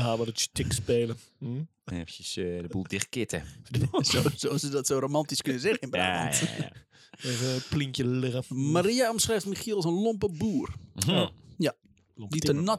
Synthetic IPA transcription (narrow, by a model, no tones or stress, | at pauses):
haːmədətstɪkspeːlə | eftəsdəbulˠdɪxkɪtə̰sososədɔtsoːɾomɑntiskønəzɛɣɪnba̰ːnta̰ | evəpliŋkjəlɪɣəmaɾiaɔmsrɛjftmixiəlˠsənlompəbuːr | ja | ditənɔt